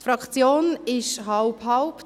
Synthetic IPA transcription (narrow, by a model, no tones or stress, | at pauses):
fɾɑkt͡sjoːnɪʃɦaʊpɦaʊp